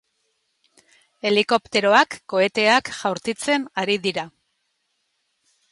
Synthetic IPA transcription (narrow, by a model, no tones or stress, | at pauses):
e̞liko̞pt̪e̞ɾo̞akːo̞e̞t̪e̞akʝawɾt͡s̪it͡se̞naɾiðiɾa